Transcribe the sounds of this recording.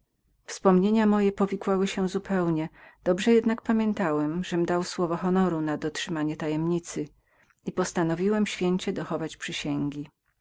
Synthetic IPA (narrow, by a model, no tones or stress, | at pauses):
fspɔmɲeɲamɔjɛpɔvʲikwawɘɕɛzupʰɛwɲɛd̪̥ɔbʐɛjɛd̪nak̚pamʲjɛnt̪awɛmʐɛmd̪awswɔvɔxɔnɔɾunad̪ɔtʂɘmaɲɛt̪ajɛmɲit̪sɘ | ipɔst̪anɔvʲiwɛmɕfʲjeɲt͡ɕɛd̪ɔxɔvat͡ɕpʂɘɕɛŋɡʲi